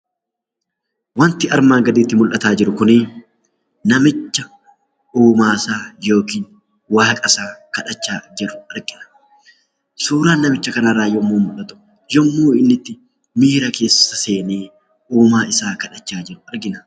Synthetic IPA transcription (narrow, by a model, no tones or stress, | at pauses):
wɐnt̪ɪɐɾmaːŋɡɐd̪iːt̪ːɪmʊlʔɐt̪aːd͡ʒɪɾʊkʊnɪ | nɐmɪt͡ʃːɐ | uːmaːsaːjoːkiːn | waːkʼɐsaːkɐᶑɐt͡ʃːaːd͡ʒɛrːʊɐɾɡɪnɐ̥ | suːɾaːnːɐmɪt͡ʃːɐkɐnɐraːjɔmːuːmʊlʔɐt̪ʊ̥ | jɔmːuːɪnːɪt̪ːɪ | miːɾɐke̞ːsɐse̞ːneː | uːmaːʔɪsaːkɐᶑɐt͡ʃːaːd͡ʒɪɾʊɐɾɡɪnɐ